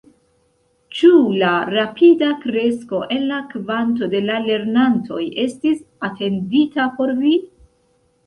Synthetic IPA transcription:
t͡ʃulaɾapʰidakɾe̞sko̞ʔe̞nlakvant̬o̞de̞lale̞ɾnantʰo̞je̞stisatʰe̞nditapo̞ɾvi

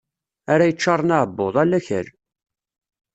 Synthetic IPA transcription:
aɾajət͡ʃːɑɾˤːnaʕəbːoðˤælːæçə̰ɾ

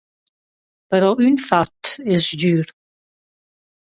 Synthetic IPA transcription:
pəɾɔʔynfat̪ɪsdyːɾ

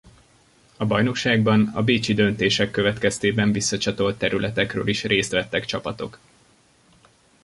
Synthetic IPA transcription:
ɒbɒjno̞kʃaːɡ̚bɒnɒ̰beːt͡ʃid̪ø̞nt̪eːʃɛkːø̞vɛt̪kɛst̪eːbɛɱvisːɒt͡ʃɒt̪o̞lt̪ːɛɾylʔɛt̪ɛkrø̰ːliʃrʔeːst̪ʋɛt̪ːɛkt͡ʃɒpɒt̪o̞̰k

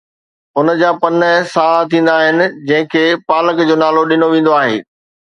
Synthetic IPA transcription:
ʊnəd͡ʑaːpɐnəsaːt̪ʰĩːn̆d̪aːɦɪnɪ̆d͡ʑɐ̃ɦɪ̃kʰeːpaːləkd͡ʑoːnaːloɗɪnoʋẽːn̆d̪oaːɦḛː

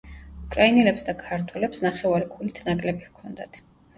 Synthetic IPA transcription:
ukʼɾainɛlɛpsd̪akʰaɾt̪ʰwɛlɛpsnaχɛvaɾikʰulit̪ʰnakʼlɛbikʰɔnd̪at̪ʰ

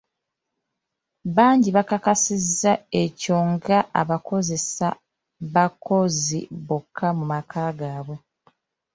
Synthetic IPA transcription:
βaːɲɟiβakakasizːae̞co̞ːŋɡaʔa̰βako̞ze̞sa | βako̞ziβokʰːamumakʰaːɡaːβwe

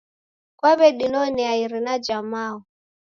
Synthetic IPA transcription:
kwaβɛɗinɔniaiɾinad͡ʒamaːɔ

